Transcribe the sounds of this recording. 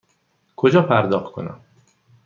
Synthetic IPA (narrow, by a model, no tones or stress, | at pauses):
kʰod͡ʒɒːpʰæɾd̪ɒːxkʰo̞̰næ̰m